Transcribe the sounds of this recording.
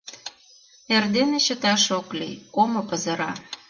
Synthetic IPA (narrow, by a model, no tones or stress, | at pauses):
erd̪eneɕə̆t̪ɑʃoklḭjkomŏpə̆zə̆ɾɑ